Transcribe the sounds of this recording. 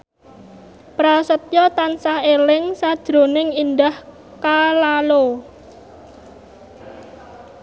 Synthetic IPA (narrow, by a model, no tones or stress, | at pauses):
pɾasət̪̚jɔt̪ansahelɪŋsad̥ʒ̥ɾo̤nɪŋind̪ah | kalalo